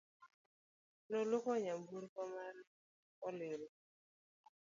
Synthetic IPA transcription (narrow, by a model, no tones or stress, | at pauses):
lɔlukɔɲambuɾkɔmaɾ | ɔleɾu